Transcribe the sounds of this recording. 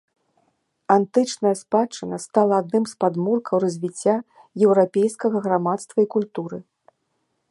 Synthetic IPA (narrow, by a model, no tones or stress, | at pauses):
ant̪ɨt͡ʂnɐjɐspat͡ʂɨnʲɐst̪alˠɐad̪̚nɨmspad̪murkʰɐwrɐzʲvʲit͡sʲːa | jɛwɾapʲejskɐɣɐɣɾamat̪st̪vɐikulʲt̪uɾɨ